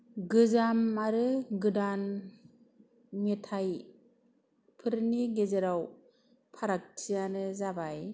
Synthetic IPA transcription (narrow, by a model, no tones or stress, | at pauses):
ɡɯzamaɾɯɡɯdan | metʰaj | pʰɯɾniɡezeɾaw | pʰaɾak̚tʰijanɯzabaj